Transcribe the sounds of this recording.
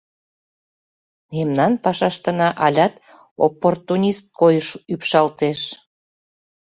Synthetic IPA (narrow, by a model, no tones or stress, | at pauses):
memnɑnpɑʃɑʃt̪ənɑʔɑlʲɑt̪ | o̰pːort̪unʲist̪̚kojəʃypʃɑlt̪eʃ